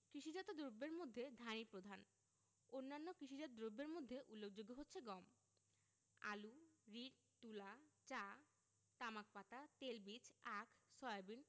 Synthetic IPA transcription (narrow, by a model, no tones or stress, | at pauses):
kɾiʃid͡ʑat̪od̪ɾobːeɾmod̪ʱːed̪ʱanipɾod̪ʱan | onːanːokɾiʃid͡ʑat̪od̪ɾobːeɾmod̪ʱːeʔulːok̚d͡ʑoɡːoɦotːɕʰeɡɔm | a̰luɾiɖ | t̪ulat͡ɕa | t̪amak̚pat̪at̪elbit͡ɕakʰsɔabin